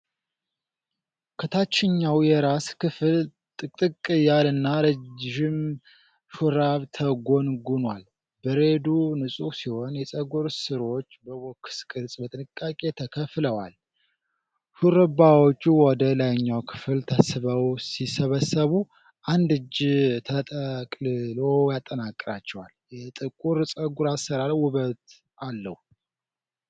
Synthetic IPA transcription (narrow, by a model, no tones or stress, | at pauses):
kʰət̪ʰat͡ʃːɪɲːawjɛɾaskɨfl | t̪ʼɨt̪ʼɨkʼːɨjalɨnːaɾəd͡ʒʒɪm | ʃuɾaβt̪ʰəɡo̞nɡunwal | bəɾe̞d̪unɨsʼusiho̞njɛsʼəɡoɾsɨɾo̞t͡ʃːbəwoɔkːskʼɨɾt͡sʼbət̪ʼɨnɨkʼːakʼe̞t̪ʰəkʰəfləwa̰l | huɾɨbawot͡ʃːuwɔd̪əlajɲːawkʰɨ̥fɨlt̪ʰəsɨβəwsisəβəsːəβu | ʔand̪ɨd͡ʒt̪ʰət̪ʼəkʼlɨlo̞jat̪ʼːənakʼːɨɾat͡ʃːɛwaljɛt̪ʼɨkʼuɾsʼəɡuɾasəɾalwʊβət̪ | alːəh